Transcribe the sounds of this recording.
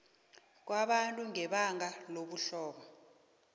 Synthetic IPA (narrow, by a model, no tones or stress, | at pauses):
k̬waɓantʼuŋɛɓaŋaloɓuɬɔːɓɔ